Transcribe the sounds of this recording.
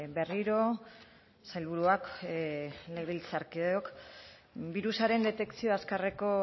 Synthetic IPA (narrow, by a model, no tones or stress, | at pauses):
be̞riɾo̞ | sajlβuɾuak | leɣilt͡saɾkieok | biɾusaɾe̞nd̪e̞t̪e̞kt͡sio̞askareko̞